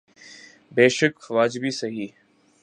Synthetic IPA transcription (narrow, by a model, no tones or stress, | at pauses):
beːʃəkxʋaːd͡ʒbiːsɐɦiː